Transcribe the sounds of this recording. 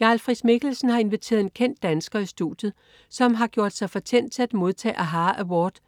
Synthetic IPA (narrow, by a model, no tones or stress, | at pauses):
jɑ̈lfʁid̥me̝ɡ̥l̩sn̩hɑ̈e̝nʋit͡sʰe̝̰ɐðˠe̝nkʰen̰d̥ːænsɡ̥ɐisd̥ṵd̥jð̩ˠ | sɒ̽mɦɑ̈ɡ̥jo̝ɐd̥sɑ̈ɪfɒ̽t͡sʰen̰d̥̚t͡sʰe̝læd̥mo̝ð̞ˠt͡sʰɛ̰ːʔæɦɑ̈ːʔæwɒːd̥